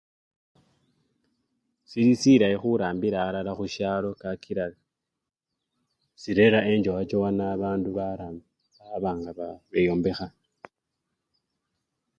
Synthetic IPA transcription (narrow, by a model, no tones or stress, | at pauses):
siɾisiɾajexuɾaːmbiɾaːɾalaxuʃalo̞kakʰiɾala | siɾe̞ɾae̞ɲd͡ʒowat͡ʃowanaβaːnduβaɾam | aβaːŋɡaβaβejoːmbe̞xa